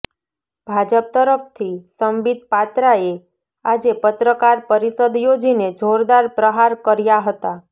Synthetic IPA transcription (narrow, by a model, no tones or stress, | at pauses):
bʱad͡ʒəp̚t̪əɾəpʰt̪ʰisəmbid̪̚pat̪ɾae | ad͡ʒepət̪ɾəkaɾpəɾisəd̪jod͡ʒined͡ʒʱoɾd̪aɾpɾəɦaɾkəɾjaɦət̪a